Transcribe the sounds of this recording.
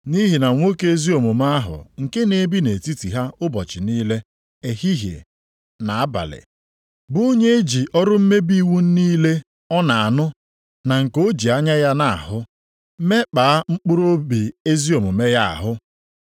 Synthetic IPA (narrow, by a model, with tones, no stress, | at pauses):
ni˦ɦi˨na˨ŋʷo˦ke˦zi˦o˨mʊ˨m˦a˦a˦ɦʊ̰˨ŋ̩˨ke˦ne˦bi˦ne˨ti˦ti˨ɦa˦ʊ˦bɔ˨t͡ʃɪ˨niː˦le˦ | e˨hi˦ɦḛ˨ | na˨a˦ba̰˨lɪ̰˨ | bʊ˦o˦ɲe˦e˦d͡ʒi˨ʔɔ˦ɾʊ˦m̩˦me˦bi˦wu˦n̩˦niː˦le˦ | ɔ˦na˨a˨nʊ˦ | na˨ŋ̩˨ko˦d͡ʒi˨a˦ɲa˦ja˦na˨a̰˨hʊ˦ | me˦k͡paː˨a˦ŋ͡m̩˦k͡pʊ˦ɾo˦bi˨e˦zi˦o˨mʊ˨me˦ja˦a̰˨ɦʊ˦